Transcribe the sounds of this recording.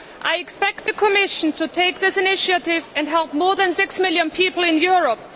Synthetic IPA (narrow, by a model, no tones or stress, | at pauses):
ʔaɪɨkspɛk̚t̪̚ðɨkʰəmɪʃn̩tʰɨtʰeɪk̚ðɪsɨnɪʃəɾɪvɨ̃nɦɛlˠp̚mɔɹðɨ̃nsɪksmɪlˠjɨ̃npʰipl̩ˠɪ̃njʊɹəp̚